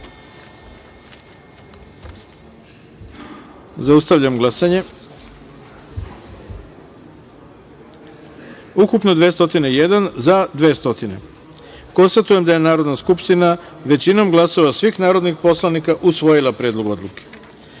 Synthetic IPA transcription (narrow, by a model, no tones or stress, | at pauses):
zaust̪aʋʎamɡlˠasaɲe̞ | ukupno̞d̪ʋeːst̪o̞t̪ineijed̪anzad̪ʋeːst̪o̞t̪ine̞̰ | ko̞nst̪at̪ujed̪aje̞naːɾo̞d̪naskupʃt̪ina | ʋe̞t͡ɕino̞mɡlˠaso̞ʋasʋixnaːɾo̞d̪nixpo̞slˠanikaʔusʋo̞jilˠapɾeːd̪lˠo̞ɡo̞d̪lˠuke̥